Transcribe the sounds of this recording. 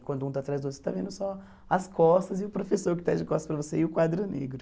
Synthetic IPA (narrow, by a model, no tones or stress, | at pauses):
kwɐ̃nd̪ʊũt̪aːt̪ɾajzd̪ose̥t̪avẽnd̪ʊsɔ | ɐskɔst̪ɐzɪʊpɾofesoɾkɪt̪ad͡ʒɪkɔst̪ɐspɾɐvoseɪʊkwad̪ɾʊnḛɡɾʊ